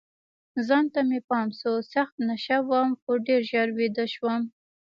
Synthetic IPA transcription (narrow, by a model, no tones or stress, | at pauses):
zɑnt̪amepɑmsosaxt̪naʃawamxoɖeɾʒaɾwed̪əʃwəm